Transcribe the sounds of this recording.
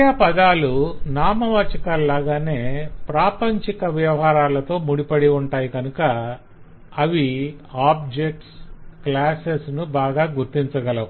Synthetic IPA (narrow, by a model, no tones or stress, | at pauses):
apɐd̪aːlunaːmɐʋɐt͡ʃɐkalːaːɡaːne̞ːpɾaːpɐɲt͡ʃikɐʋjɐʋɐɦaːɾaːlɐt̪o̞ːmuɽipɐɽiuɳʈaːjikɐnukɐː | ʋiaːb̚d͡ʒek̚ʈsklaːsesnubaːɡaːɡuɾt̪iɲt͡ʃɐɡɐlɐ